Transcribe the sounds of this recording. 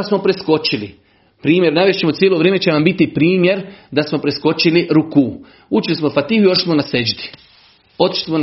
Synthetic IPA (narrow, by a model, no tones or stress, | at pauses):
smo̞pɾesko̞t͡ʃili | pɾiːmje̞ɾnaːʋjeʃt͡ɕemot̪sjelo̞ʋɾeːmet͡ɕenambit̪ipɾiːmje̞ɾd̪asmopɾesko̞t͡ʃiliɾuku | ut͡ʃilismofat̪iːhuioʃi̥smonased͡ʒd̪i̥ | o̞t̪i̥ʃi̥smon